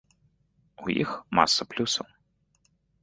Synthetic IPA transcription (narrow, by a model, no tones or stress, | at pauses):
ujḭxma̰sːɐplʲusɐw